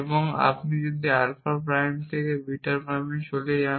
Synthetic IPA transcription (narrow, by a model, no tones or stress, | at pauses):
eboŋa̰pnid͡ʒod̪ʱialfaɾpɾajmt̪ʰekebiʈaɾpɾajmiʃoleja